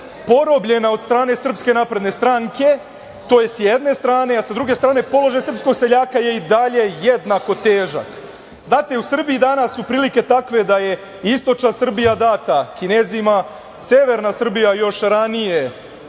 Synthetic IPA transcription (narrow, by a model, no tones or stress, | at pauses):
po̞ɾo̞bʎe̞nao̞d̪st̪ɾaːne̞sr̩pske̞naːpɾe̞d̪ne̞st̪ɾaŋke̞ | t̪o̞ːje̞sjed̪ne̞st̪ɾaːne̞asad̪ɾuɡe̞st̪ɾaːne̞po̞lˠo̞ʒajsr̩psko̞ɡse̞ʎaːkaje̞id̪aʎe̞jed̪nako̞t̪e̞ːʒa̰k | znaːt̪e̞usr̩biid̪anasːupɾiːlike̞t̪akʋe̞d̪aje | ist̪o̞t͡ʃnasr̩bijad̪at̪akine̞zima | sjeʋe̞ɾnasr̩bijajo̞ʃɾanije̞